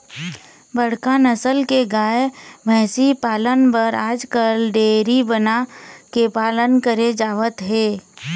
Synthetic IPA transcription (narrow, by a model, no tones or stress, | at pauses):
bəɽ̤kanəsəlkeɡaːebʱɛ̃ːsipaːlənpəɾaːd͡ʒkəlɖeːɾibənakepaːlənkəɾed͡ʒaːʋət̪ɦɛː